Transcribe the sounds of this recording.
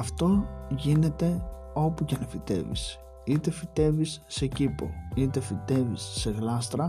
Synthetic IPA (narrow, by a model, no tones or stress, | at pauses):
ɐft̪o̞ʝine̞t̪e̞ | o̞pucenefit̪e̞̰vḭs | it̪e̞fit̪e̞visːe̞cipo̞̰it̪e̞fit̪e̞visːe̞ɣlɐst̪ɾɐ